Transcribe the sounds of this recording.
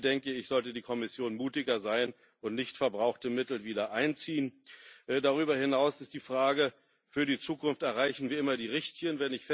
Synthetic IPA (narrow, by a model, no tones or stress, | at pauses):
d̥ɛŋkəɪçz̥ɔltədiːkʰɔmɪsjoːnmuːtɪɡɐzaɪn | ʔʊntnɪçtfɛɐbʁaʊxtəmɪtl̩viːdɐʔaɪnt͡siːənʔdaʁyːbɐhɪnaʊsɪst̚d̥iːfʁ̥aːɡə | fyːɐdiːt͡suːkʊnftɛɐʁaɪçn̩viːɐʔɪmɐdiːʁɪçtçənvɛnɪçfɛ